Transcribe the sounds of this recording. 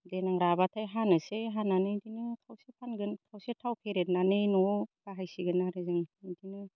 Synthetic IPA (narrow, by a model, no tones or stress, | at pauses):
denaŋɾabatʰajɦanɯseɦananɯjdinɯtʰawsepʰanɡɯntʰawsetʰawpʰeɾet̚nanɯjnɔb̥aɦajsiɡɯnaɾɯzɯŋdinɯ